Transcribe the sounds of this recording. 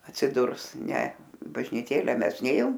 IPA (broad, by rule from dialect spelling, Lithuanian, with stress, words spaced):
ɐtʲsʲɪˈdʊrs nʲɛ bɐʒʲnʲɪˈtʲeːlʲɛ ˈmʲɛs ˈnʲeːjoːm